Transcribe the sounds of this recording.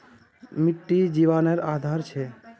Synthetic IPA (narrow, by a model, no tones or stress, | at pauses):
miʈːid͡ʑibaneɾad̪ʱaɾt͡ɕʰe